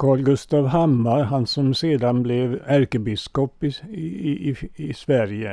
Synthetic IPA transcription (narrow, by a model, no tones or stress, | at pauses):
kʰɑːɭɡʉst̪ɑːʋhɑmɑɾhɑnsɔmseːd̪ɑnblɛʋæɾkəbɪskɔpɪiiʔiːisʋæɾjə